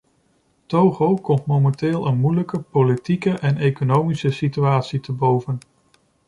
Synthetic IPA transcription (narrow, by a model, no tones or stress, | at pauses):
towχowkɔmtmomɛntɪːlˠənmujləkəpolitikəʔɛnejkonowmisəsityaːtsitəbowvən